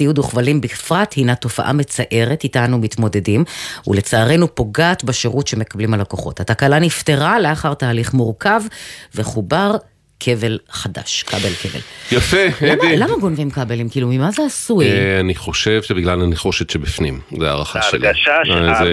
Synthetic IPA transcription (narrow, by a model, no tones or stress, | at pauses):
ijud̪uχvalimbifʁathinato̞fa̰ʔa̰me̞t͡saʔe̞ʁetitanumit̪mo̞de̞dimṵle̞t͡saːʁe̞nupo̞ɡaːt̪baʃeʁutʃe̞me̞kablimalako̞χo̞̰thatakalanifte̞ʁale̞aχaʁtaːliχmuʁkavveχubaʁ | kʰe̞ve̞lχada̰ʃkabelkevḛljafeeamilamaɡo̞nvimkabelimkiːlumimazeasuaniχo̞ʃevʃebiɡlalaniχo̞ʃet̪ʃebifnimzea̰ʁaχa̰ʃḛla